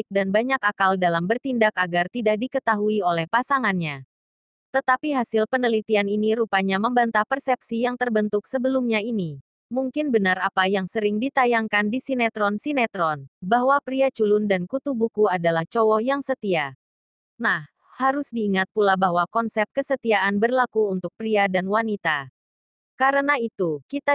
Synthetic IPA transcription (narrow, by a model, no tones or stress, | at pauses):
ɪk̚danbaɲakakaldalambərt̪indakaɡart̪idak̚dikət̪aɦuiolɛhpasaŋanɲa | t̪ət̪apiɦasɪlpənəlit̪ianiniɾupaɲaməmbant̪apərsɛp̚sijaŋt̪ərbənt̪ʊksəbəlumɲaini | muŋkɪnbənarapajaŋsəɾɪŋdit̪ajaŋkandisinɛt̪ɾɔnsinɛt̪ɾɔnbaɦwapɾiat͡ʃulʊndankut̪ubukuadalaht͡ʃɔwɔjaŋsət̪ia | nah | haɾʊsdiːŋat̪̚pulabaɦwakɔnsɛp̚kəsət̪iaʔanbərlakuunt̪ʊk̚pɾiadanwanit̪a | kaɾənait̪ukit̪a